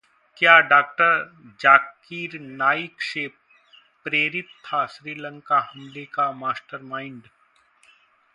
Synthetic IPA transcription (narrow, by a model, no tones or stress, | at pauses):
kjaːɖaːk̚ʈəɾd͡ʒaːk | iːɾnaːikʃeːp̚ː | ɾeːɾɪt̪t̪ʰːaʃɾiːlə̃ŋkaɦɐmlekamaːsʈəɾmaːɪ̃ɳɖ